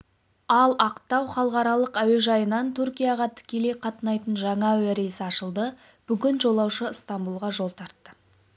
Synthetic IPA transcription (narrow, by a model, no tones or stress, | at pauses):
ɑlˠɑqt̪ːɑwχɑlˠəqɑɾɑlˠəqæwe̞ʒɑjənɑnt̪ʰʊɾkʲijɑʁɑt̪ʰɪ̥kʲe̞le̞jqʰɑt̪ənɑjt̪ənʒɑɴɑwæɾesɑʃəlˠd̪ə | b̥ʏɡʲɪnʒo̞lˠɑwʃəst̪ɑmbulˠʁɑʒo̞lˠt̪ʰɑɾt̪ːə